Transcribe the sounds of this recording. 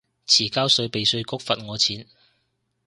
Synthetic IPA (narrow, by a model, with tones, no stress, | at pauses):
t͡sʰiː˨˩kaː˥wsɵ˧ɥpe˨jsɵ˧ɥkʊ˥k̚fɐ˨t̚ŋɔː˨˧t͡sʰiː˨˥n